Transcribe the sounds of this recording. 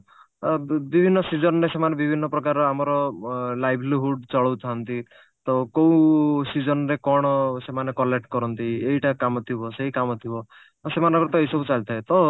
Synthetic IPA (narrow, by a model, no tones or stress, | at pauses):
bibʱinːɔsid͡ʒɔnɔɾesemanebibʱinːɔpɾɔkaɾɔamɔɾɔlajbʱliɦuɖt͡ʃɔɭɔwt̪ʰant̪i | t̪ɔkow̃sid͡ʒɔnɔɾekɔɽ̃ɔsemanekɔlek̚ʈkɔɾɔnt̪ieɦiʈakamɔt̪ʰibɔseɦikamɔt̪ʰibɔ | semanɔ̃ŋkɾɔt̪ɔejsɔbut͡ʃalt̪ʰaet̪ɔ